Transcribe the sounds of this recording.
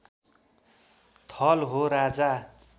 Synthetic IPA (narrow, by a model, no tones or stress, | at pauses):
t̪ʰʌlɦoɾad͡za